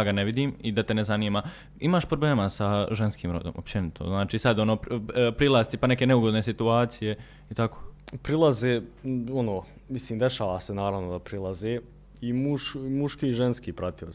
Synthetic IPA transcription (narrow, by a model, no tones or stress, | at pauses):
aɡaneʋid̪iːmid̪at̪e̞nezaniːma | imaːʃpɾobleːmasaʒenskiːmɾo̞̰d̪o̰mopt͡ɕenit̪ʰo̰znaːt͡ʃiːsad̪o̞noːppɾilˠast̪ipane̞ke̞neuɡo̞d̪ne̞sit̪uaːt̪sije̞ | it̪akoːpɾilˠazeːonoː | misliːmd̪eʃaːʋaːsenaːɾaʋnod̪apɾilˠazeː | imuʃmuʃkiːʒenskiːpɾat̪ios